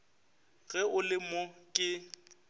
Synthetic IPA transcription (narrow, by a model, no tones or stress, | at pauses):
ɣɛʊlɪmʊkʼɪ